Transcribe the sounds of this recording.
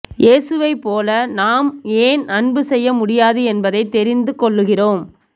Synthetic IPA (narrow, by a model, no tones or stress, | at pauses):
jʔeːsɯʋɐɪpːoːlɐnaːmeːnɐɳbɯsɛjːɐmʊɽɪjaːðɯɛnbɐðɐɪt̪ːɛɾɪnd̪ɯkɔɭːɯɣɪroːm